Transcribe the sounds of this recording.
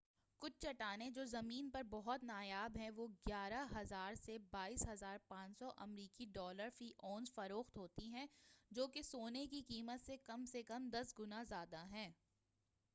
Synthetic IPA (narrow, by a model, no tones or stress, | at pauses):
kʊt͡ʃʰt͡ʃɐʈaːned͡ʒoːzɐmiːnpɐɾbɔɦɔt̪naːjaːbɦɛ̃ʋoːɡjaːɾaɦɐzaːɾsebaːiːsɦɐzaːɾpãːt͡ʃsɔʔɐmɾiːkiɖɔːləɾfɾiːʔoːnzfɐɾoːxt̪ɦoːt̪iɦɛ̃d͡ʒoːkesoːnekikiːmət̪sekɐmsekɐmd̪ɐsɡʊnazjaːd̪aɦɛ̃ː